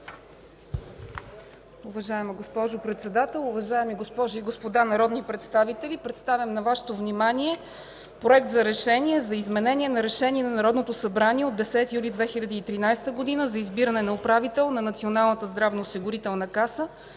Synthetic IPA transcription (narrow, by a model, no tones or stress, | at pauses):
uvɐʒaɛməɡospɔʒopɾɛt̪sɛd̪at̪ɛlˠʊvɐʒaɛmiɡospɔʒʊiɡospod̪anɐɾɔd̪nipɾɛt̪st̪avit̪ɛlipɾɛt̪st̪avʲjəmnɐvaʃɛ̥t̪ovnimaniɛ | pɾoɛkt̪zɐɾɛʃɛniɛzɐizmɛnɛnʲiɛnɐɾɛʃɛniɛnɐnɐɾɔd̪not̪osɐbɾaniɛod̪d̪ːɛsɛt̪ijulʲid̪vɛxilʲɐd̪iːt̪ɾinajst̪əɡod̪inəzɐizbiɾənɛnɐopɾavit̪ɛlˠnɐnɐt̪sionalˠnət̪əzd̪ɾavnɐosiɡʊɾit̪ɛlˠnɐkasə